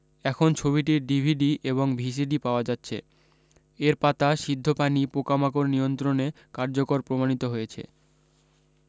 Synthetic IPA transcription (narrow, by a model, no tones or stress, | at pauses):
ɛkʰont͡ɕʰoβiʈ̬iɖibʱiɖiʔeβoŋbʱis̬iɖipaoad͡ʑatːɕʰḛ | eɾpat̪aʃid̪ʱːopanipokamakoɾnijont̪ɾone | kaɾd͡ʑokoɾpɾomanit̪oɦojet͡ɕʰḛ